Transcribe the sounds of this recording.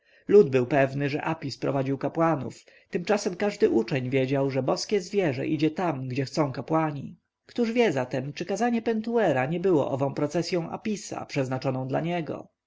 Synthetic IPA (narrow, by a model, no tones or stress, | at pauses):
lud̪bɘwpɛvnɘʐɛ̰ʔapʲispɾɔ̰vad͡ʑiwkapwanṵf | t̪ɘmt͡ʂasɛmkaʐd̪ɘʔut͡ʂɛɲvʲjɛd͡ʑawʐɛbɔskʲɛzvʲjɛʐɛ̰ʔid͡ʑɛt̪amɡd͡ʑɛxt̪sɔ̃w̃kapwaɲi | kt̪uʐvʲjɛzat̪ɛmt͡ʂɘkazaɲɛpɛnt̪uɛɾaɲɛbɘwɔ̰ʔɔvɔ̃w̃pɾɔt̪sɛsʲjɔ̃w̃ʔa̰pʲisa̰pʂɛznat͡ʂɔnɔ̃w̃d̪la̰ɲɛɡɔ̰